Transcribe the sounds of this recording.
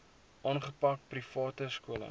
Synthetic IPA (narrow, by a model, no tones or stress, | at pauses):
ʔɑːnχəpɐk̚prifɑːtəskuələ̰